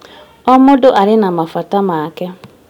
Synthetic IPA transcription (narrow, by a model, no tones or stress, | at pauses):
ɔmʊdʊʔaɾɪnamafatamakɛ